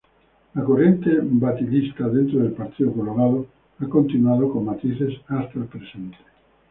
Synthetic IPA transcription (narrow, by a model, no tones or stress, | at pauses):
lakorent̪ebat̪ilist̪aðent̪ɾoðelpaɾt̪iokoloɾaðo | akont̪inuaðokomːat̪iθesast̪aelpɾesent̪e̥